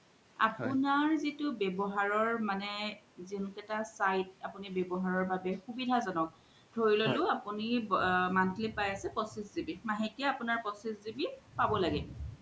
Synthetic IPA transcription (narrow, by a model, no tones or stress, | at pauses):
a̰pʊnaɹzitʊbɛbɔɦaɹɔɹmanɛ | zinkɛtasajt̚apunibɛbɔɦaɹɔɹbʱabɛxubidʱazanɔk̚ | dʱoɹilolʊapunimantʰlipajasɛpɔsiszibimaɦetiaapunaɹpɔsiszibipabɔlaɡɛ